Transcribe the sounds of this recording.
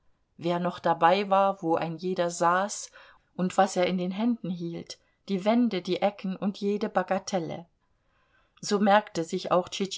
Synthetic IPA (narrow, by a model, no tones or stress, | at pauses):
veːɐnɔχd̥abaɪvaːɐvoːʔa̰ɪnjeːdɐzaːs | ʔʊntv̥aseːɐɪndeːnɦɛndn̩ɦiːlt | d̥iːvɛndədiːʔɛkn̩ʊntʰjeːdəbaɡatʰɛlə̰ | z̥oːmɛɐktəzɪça̰ʊxt͡ʃit͡ʃ